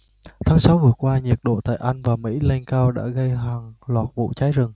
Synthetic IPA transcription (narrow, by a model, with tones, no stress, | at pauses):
t̪ʰaː˨˦ŋsa˨˦wvɨ˨˩əkwaː˧ɲi˨˩ət̚ɗo̰˧˨t̪a̰ː˧˨jʔa˧jŋ̟vaː˨˩mḭ˧˥lɛ˧ŋkaː˧wɗa̰ː˧˥ɣə˧jɦaː˨˩ŋlwaː˨˩t̚vṵ˧˨t͡ɕaː˨˦jzɨ˨˩ŋ